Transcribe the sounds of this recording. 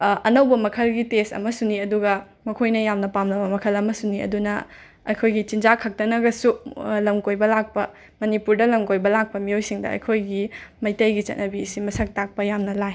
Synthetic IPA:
ɐnɐwbɐmɐkʰɐlɡitestɐ̰mɐsuniɐduɡɐ | mɐkʰojnɐjamnɐpamnɐbɐmɐkʰɐlɐmɐsuniɐ̰dunɐ | ɐjkʰojɡit͡ʃind͡ʒakʰɐk̚tɐnɐɡɐsulɐmkojbɐlak̚pɐ | mɐnipuɾdɐlɐmkojbɐlak̚pɐmiojsiŋdɐ̰ɐ̰jkʰojɡimɐjtɐjɡit͡ʃɐ̰t̚nɐbisimɐsʰɐk̚tak̚pɐjamnɐlaj

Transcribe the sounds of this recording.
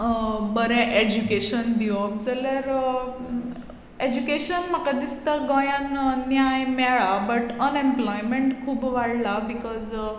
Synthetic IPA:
bəɾɛʔed͡ʑukeɕənd̪iod͡zəlaɾ | ed͡ʑukeɕənm̤akad̪ist̪aɡɔ̃jãnnjajmɛɭabəʈənẽmplɔjmeɳʈkʰuːbʋaɽlabikɔz

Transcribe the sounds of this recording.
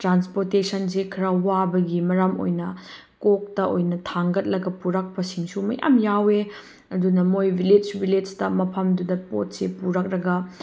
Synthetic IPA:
tɾanspoɾtesɐnsekʰɾɐwabɐɡimɐɾɐmo̰jnɐ | kok̚tɐʔojnɐtʰaŋɡɐt̚lɐɡɐpuɾɐk̚pɐsiŋsumɐ̰ja̰mjawe | ɐdunɐmojbʱiled͡ʒbʱiled͡ʒtɐmɐpʰɐmdudɐpo̰t̚sepuɾɐk̚ɾɐɡɐ

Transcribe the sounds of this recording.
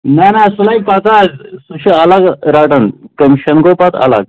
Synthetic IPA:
nanasulaipat͡s̪azsuɕiɐlaɡɾaʈənkəmiɕɐnɡopat̪ɐ̰la̰ɡ̚

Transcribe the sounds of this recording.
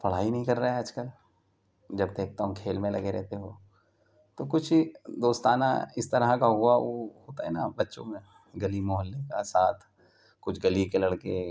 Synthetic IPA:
pɐɽ̤aːinɐɦĩkɐɾːɐɦɛəd͡ʒkəl | d͡ʒɐbd̪eːk̚t̪aɦũkʰeːlmẽlɐɡeɾɛ̰ɦt̪eɦoː | t̪okʊt͡ʃʰid̪oːst̪aːna̰ɪst̪ɐɾakaɦuaʋoːɦoːt̪aɦɛnabɐtːʃõ̰mẽ | ɡɐlimɔːɦəlːekasaːt̪ʰ | kʊt͡ʃʰɡɐlikelɐɽke

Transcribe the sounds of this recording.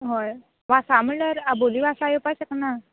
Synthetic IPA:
ɦoj | ʋasaməɭəɾaboliːʋasajupaɕəkna

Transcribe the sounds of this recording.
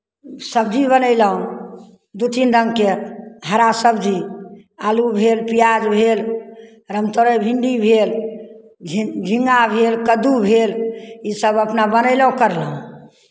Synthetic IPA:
səb̚d͡ʒibənəɪləɦũ | d̪ut̪ind̪əŋkeɦəɾasəbd͡ʒi | alubʱelpijad͡ʒbʱel | ɾəmt̪oɾəjbʱiɳɖibʱel | d͡ʒʱĩŋɡabʱelkəd̪ubʱelisəbəpnabənəɪləɦũkəɾləɦũ

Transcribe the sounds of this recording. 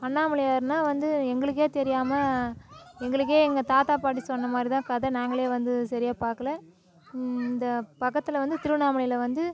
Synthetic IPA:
pɐɳːaːmɐɭɪjaːɾɯnːaːʋɐnd̪ɯɛŋɡɐɭɯk̬ːeːt̪ɛɾɪjaːmɐ | ɛŋɡɐɭɯk̬ːeːɛŋɡɐt̪aːt̪aːpaːʈːisɔnːɐmaːd̪ɾɪt̪ãːkɐðɐnaːŋɡɐɭeːʋɐnd̪ɯsɐɾɪjaːpaːɾkɐlɛ̃ː | ɪnd̪ɐpɐkːɐt̪ːɯlɐʋɐnd̪ɯt̪ɪɾɯʋnaːmɐɭɪjɪlɐʋɐnd̪ɯ

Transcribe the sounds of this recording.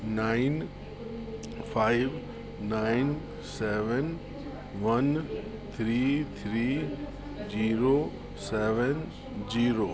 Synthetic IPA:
naːɪn | fʰaːɪʋ | naɪn | sɛːʋɛn | ʋɐn | t̪ʰɾiːt̪ʰɾiː | d͡ʒiːɾo | seːʋɛn | d͡ʒiːɾoː

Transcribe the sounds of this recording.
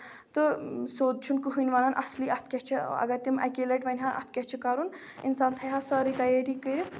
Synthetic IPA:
t̪ɨsoːd̪̚t͡ʃʰunkɨɦɨnʲʋanɐnʔɐ̰sliːʔɐt̪̚ʰkʲɐt͡ʃʰiɐ̰ɡɐɾt̪imɐ̰kelɐʈʋɐnʲɦanʔɐ̰t̪̚ʰkʲɐt͡ʃʰikɐɾun | insaːnt̪ʰɐjɦasɐːɾit̪ɐjaɾikɨɾ

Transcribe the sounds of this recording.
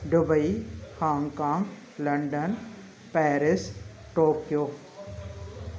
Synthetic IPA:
ɖʊbəihaːŋɡkaːŋɡ | lɐɳɖən | pɛːɾɪs | ʈoːkjoː

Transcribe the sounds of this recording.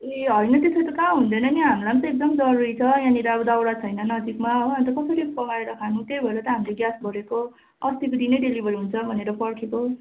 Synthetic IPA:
eɦʌjnʌt̪esʰʌjt̪ʌkaɦund̪ʌnʌniɦamlamt̪ʌek̚d̪ʌmd͡zʌɾuɾit͡sʰʌjãniɾabd̪awɽat͡sʰʌjnʌnʌd͡zikmaʌʌnt̪ʌkʌsʌɾipʌɡaeɾʌkʰanut̪ebʱʌelat̪ʌɦamleɡjasbʱʌɾeko | ʌst̪ikod̪inʌjɖelibʱʌɾiɦunt͡sʰʌbʱʌneɾʌpʌrkʰeko

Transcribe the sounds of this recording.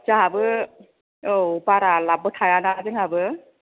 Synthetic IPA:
t͡ʃaɦabɯ | owpaɾalabɯtʰajanazɯŋhabɯ

